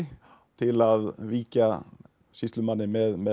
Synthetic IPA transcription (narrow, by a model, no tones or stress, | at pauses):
t̪ʰɪlaðviːca | ɕɪst̪lʏmanːɪmɛðmɛ